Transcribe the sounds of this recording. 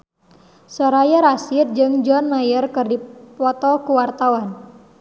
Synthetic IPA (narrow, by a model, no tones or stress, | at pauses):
sɔɾajaɾasit̪̚d͡ʒɨŋd͡ʒɔnmajərkɨrdipɔt̪ɔkuwart̪awan